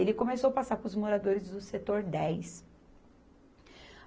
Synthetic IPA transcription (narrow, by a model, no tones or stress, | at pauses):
elɪkõmesowapasaɾpɾʊzmoɾad̪oɾɪzd̪ʊset̪oɾd̪ɛjs